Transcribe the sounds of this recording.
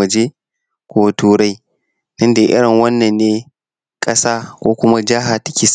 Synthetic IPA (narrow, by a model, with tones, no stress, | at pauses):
ɐ˨d͡ʒeː˦ | kʷo˦tuː˦ɽa˦j | tɪ˦nda˨ʔɪ̰˦ɽɪ˨ŋwɐ˦nːɐ˨nːeː˦ | kʼɐ˦saː˦kʷoː˦kʷʊ˦ma˦d͡ʒɐ˦ɦa˨tɐ̥˦kʲi˨s